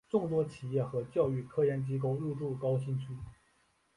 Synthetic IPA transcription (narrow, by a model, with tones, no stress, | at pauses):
ʈ͡ʂʊ˥˩ŋt̪wɔ˥t͡ɕʰi˨˩jɛ˥˩xɤ˧˥t͡ɕjɑ˥˧ʊy˥˩kʰɤ˥jɛ˥˩nt͡ɕi˥k̬o˥˧ʊɻu˥˧ʈ͡ʂu˥˩kɑ˥ʊɕi˥nt͡ɕʰy˥